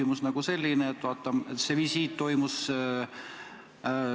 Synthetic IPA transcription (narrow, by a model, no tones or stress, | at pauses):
imusnɑɡ̥use̞lʲːineːt̪ːvɑːt̪ːˑɑmet̪ːse̞visiːt̪ːo̞jmus